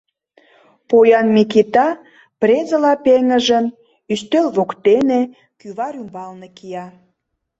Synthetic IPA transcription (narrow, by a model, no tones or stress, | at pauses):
pojɑnmikit̪ɑ | prezəlɑpeŋə̆ʒən | yst̪ølβokt̪ene | kyβɑɾymbɑlnekijɑ